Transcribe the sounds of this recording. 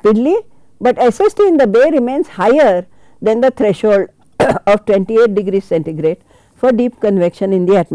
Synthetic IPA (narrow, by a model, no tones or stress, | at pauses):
piɖli | bʌʈesesʈiɪ̃nd̪əbeːɾɪmẽnzhaɪəɾ | d̪ɛ̃nd̪ət̪ʰɾɛʃhoːlɖ | ɔːʋʈʋẽɳʈieːʈ̚ɖɪɡɾiːzsɛ̃ɳʈiɡɾeːɖ | fɔɾɖiːpkə̃nʋekʃə̃nɪ̃nd̪iæʈm